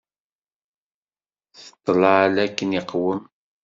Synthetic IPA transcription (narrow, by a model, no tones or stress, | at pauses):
θə̥t̪ˤːləʕalækːəniqwəm